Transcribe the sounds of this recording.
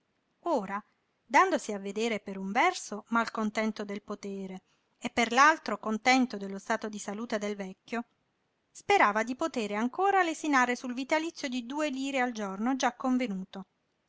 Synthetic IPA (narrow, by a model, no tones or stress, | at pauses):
oːɾa | d̪and̪osiavːed̪eːɾepeɾuɱvɛrsomalkont̪ɛnt̪od̪elpot̪eːɾe | epːerlalt̪ɾokont̪ɛnt̪od̪elːost̪aːt̪od̪isaluːt̪ed̪elvɛkʲːo | speɾaːvad̪ipot̪eːɾeaŋkoːɾalesinaːɾesulvit̪alit̪sːjod̪id̪uːeliːɾeald͡ʒornod͡ʒakːoɱvenuːt̪o